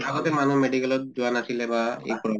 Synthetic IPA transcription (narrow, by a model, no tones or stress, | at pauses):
aɡɔt̪ɛmanumeɖikɛlɔt̪̚d͡ʒuanasʰilɛbaḛjpɔɹɔ